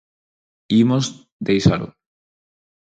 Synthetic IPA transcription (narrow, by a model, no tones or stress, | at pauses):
imoz | d̪ejsa̰lo̰